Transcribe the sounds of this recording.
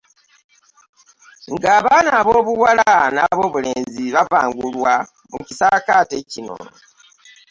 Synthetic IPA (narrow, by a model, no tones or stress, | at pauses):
ŋɡaːβaːnaːβoːβuwalanaβo̞ːβule̞ːnziβavaːŋɡulwa | mucisakaːte̞cino̰